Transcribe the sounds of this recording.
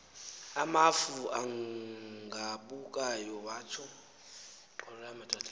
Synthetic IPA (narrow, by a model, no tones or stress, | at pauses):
amafuaŋ | ɡʱaɓukʼajɔβaːt͡ʃʰɔ | ɔramɛtʼatʰʼ